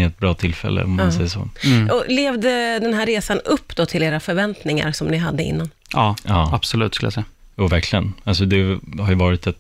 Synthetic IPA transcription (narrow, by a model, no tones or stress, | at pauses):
ɛt̪̚bɾɑːt̪ʰɪlːfɛ̰lːə̰ɔmːsɛjːaso̰ːɔleːvd̪əd̪ɛnɦæːɾːeːsanɵpːd̪̥ɔt̪ʰɪleːɾafœɾvɛnt̪nɪŋa̰ɾsɔmnɪɦad̪ːəɪ̰nːan | ɑːɑːab̥sɔlʉ̟ːt̪skɵljasɛja | juːvæɾkʰlɪɡə̰nals̬ɔd̪ɛhajəvɑːɾɪt̪ɛt̪